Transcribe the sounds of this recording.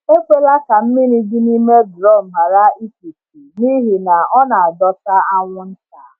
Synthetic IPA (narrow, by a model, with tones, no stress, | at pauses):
e˦ke˦la˦ka˨m̩˦mɪ˦ni˦dɪ˦ni˦me˦dɾɔ˦˨m̩˨ma˨ɾa˦i˦ki˨ti˨ni˦ɦi˨na˨ɔ˦na˨a˨dɔ˦ta˦a˦ŋʷʊ˦n̩˦ta˨˦